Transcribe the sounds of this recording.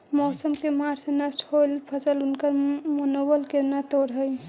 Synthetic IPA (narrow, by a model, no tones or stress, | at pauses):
mɔːsəmkemaɾsenəsʈholpʰəsəlunkəɾmənobəlkenat̪oɾɦəj